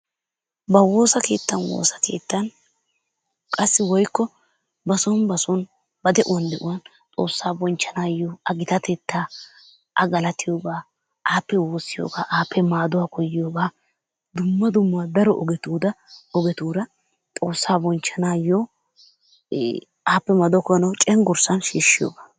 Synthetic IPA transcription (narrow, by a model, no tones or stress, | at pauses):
bɐwo̞ːsɐke̞ːt̪ːɐnwo̰ːsɐ̥ke̞̰ːt̪ːɐn | kʼɐsːɪwɔjkːɔ | bɐsɔnbɐsɔn | bɐd̪ɛʔʊwɐnd̪ɛʔʊwɐn | t̪ʼo̞̰ːsːaːbɔnt͡ʃːɐnaːjoːɐɡɪt̪ɐt̪ɛt̪ːaː | ʔɐɡɐlɐt̪ɪjo̞ːɡaː | ʔaːpːɛwoːsːɪjo̰ːɡaːʔaːpːɛmaːd̪ʊwaːkɔjːɪjoːɡaː | d̪ʊmːɐd̪ʊmːʊaːd̪ɐɾɔʔɔɡɛt̪uːd̪ɐɔɡɛt̪uːɾɐ | t̪ʼo̞ːsːaːbɔnt͡ʃːɐnaːjoː | aːpːɛmaːd̪ʊakɔjɐnɐwt͡ʃʼɛŋɡʊɾsɐnʃiːʃːɪjo̰ːɡaː